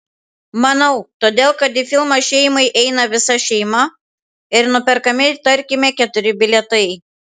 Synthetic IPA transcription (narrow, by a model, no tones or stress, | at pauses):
mɐnɐʊt̪oːd̪ʲeːlˠkɐt̪ɪfʲɪlˠmɐʃʲɛɪmɐɪʔɛɪnɐʋʲɪsɐʃʲɛɪmɐ | ɪɾnʊpʲɛɾkɐmʲɪt̪ɐɾʲkʲɪmʲɛkʲɛt̪ʊɾʲɪbʲɪlʲɛt̪ɐɪ